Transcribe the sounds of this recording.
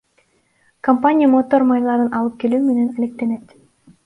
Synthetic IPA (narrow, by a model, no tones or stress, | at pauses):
kɐmpanʲijəmot̪ːormajlˠɑɾɯnʔɑlˠɯp̚ke̞lyːmenenalʲe̞k̚t̪e̞net̪